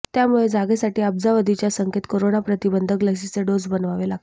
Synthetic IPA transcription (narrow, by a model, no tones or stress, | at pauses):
t̪jamuɭed͡zaɡesaʈiːəb̚d͡zaʋəd̪ʱit͡ɕjasəŋket̪koɾonapɾət̪ibənd̪ʱəkləksit͡seɖod͡zbənʋaʋelaɡ̚te